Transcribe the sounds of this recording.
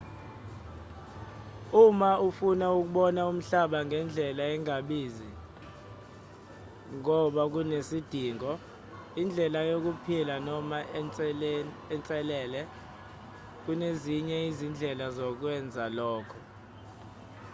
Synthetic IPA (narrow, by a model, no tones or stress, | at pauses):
umaufunauk̬uɓɔnaum̩ɬaɓaŋɡʱɛnd͡ɮʱɛlaɛŋaɓiːzi | ŋɔɓak̬unesid̥ʱiːŋɔ | ind͡ɮʱɛlajok̬upʰilanɔma | ɛnt͡sʼɛlɛːlɛ | k̬uneziɲɛizind͡ɮʱɛlazɔk̬wɛnd͡zʱalɔːkʰɔ